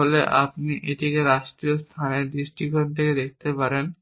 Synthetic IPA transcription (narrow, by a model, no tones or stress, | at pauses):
oleʔa̰pniʔeʈikeɾaʃʈɾijost̪ʰaneɾd̪ɾiʃʈikont̪ʰeked̪ek̚ʰt̪epaɾen